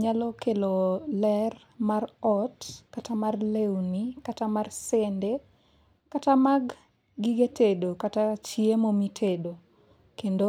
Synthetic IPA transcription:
ɲalɔkelolɛr | marɔtkatamarlewnikatamarsende | katamaɡː | iɡetedokatat͡ʃiemomitʰedo | kendo

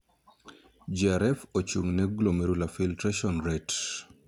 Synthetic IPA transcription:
d͡ʒiaɾɛfot͡ʃuŋnɛɡlomɛɾulafiltɾaʃɔnɾɛt

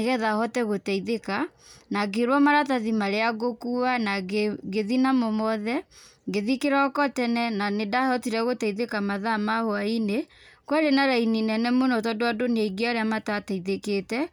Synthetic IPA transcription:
eɣɛðahɔtɛɣotɛiðekanaɡeɾwɔmaɾataðimaɾeaɣokuanaɡeðinamomɔðɛɡeðikeɾakɔtɛnɛnanedahɔtiɾɛɣotɛiðekamaðamahoaine | kwɛɾenaɾaininɛnɛmonɔtɔdoadoneiɡeɔɾeamatatɛiðeketɛ

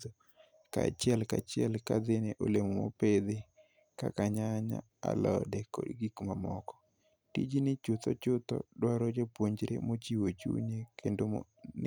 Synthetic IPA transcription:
o | ka̰t͡ʃɪɛlkat͡ʃɪɛlkad̪ɪneʔolemomo̰ped̪ɪ | ka̰kaɲaɲa̰ | a̰lɔdɛkɔ̰dɡikmamɔkɔ̥ | tid͡ʒinɪt͡ʃʊt̪ɔt͡ʃʊt̪ɔ̰dwaɾod͡ʒopwoɲd͡ʒɾḛmot͡ʃiwot͡ʃṵɲekʰendom̰ | n

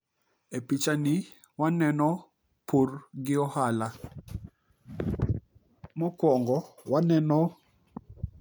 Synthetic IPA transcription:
epit͡ʃani | wanɛnɔ | pʰoɾɡɪɔhala | mɔkwɔŋɡɔwanɛnɔ

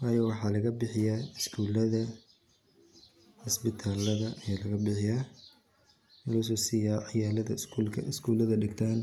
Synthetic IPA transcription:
wɑːjɔːwɑħɑːlɐɣɐbɪħɪjaːɪskʰuːlɐðɐ | hʊsbɪt̪ʰaːlːɐðɐʔɐjaːlɐɣɐbɪħɪjaː | lɐʊs̬ɔːsɪjaːʕɪjaːlɐðɐulkʰɐɪskʰuːlɐðɐɖɪɡt̪ʰaːn

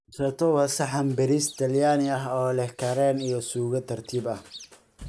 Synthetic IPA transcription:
sɐt̪ʰɔwɐsɐħɑmbɛɾist̪ʰɐljaːnɪɐɦɔːlɛhkʰɐɾɛːnijɔsuːɣɐt̪ʰɐrt̪ʰiːbɐh

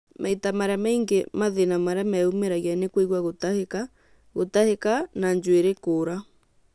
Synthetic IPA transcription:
mʔaitamaɾamaiŋɡemaðenamaɾamɛumeɾaɣianekweɣwaɣotaheka | ɣotahekanaɲd͡ʒweɾekoɾa

